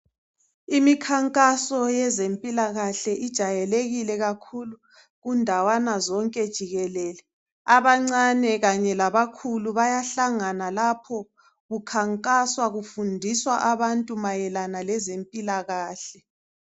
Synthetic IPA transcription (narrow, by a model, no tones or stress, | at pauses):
imikʰaŋkʼasɔjɛzempʼilaɣaɬɛʔid̥ʒ̥ʱajɛleɣilɛɣakʰulu | ɣundʱawanazɔŋkʼɛd̥ʒ̥ʱiɣɛlɛːlɛ | aβaŋ͡ǀanɛɣaɲɛlaβakʰuluβajaɬaŋanalapʰɔ | ɣukʰaŋkʼaswaɣufundʱiswaʔaβantʼumajɛlanalɛzempʼilaɣaːɬɛ